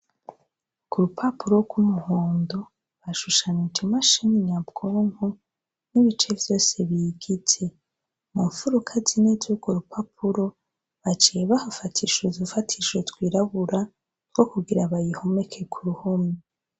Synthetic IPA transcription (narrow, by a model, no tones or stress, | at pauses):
kuɾupʰapuɾo̞ɡwumuhoːndo | βaʃuʃanitimaʃiniɲabɡoːŋ̥ho | niβit͡ʃe̞vjo̞ːse̞βiːɡit͡se̞ | muɱfuɾukʰazinezuɡoɾupʰapʰuɾo̞ | βat͡ʃijeβahafatʰiʃozufatʰiʃotɡwiːɾaβuɾa | ɾɡ̥o̞kuɡiɾaβajihome̞kʰe̞kʰuɾuhomi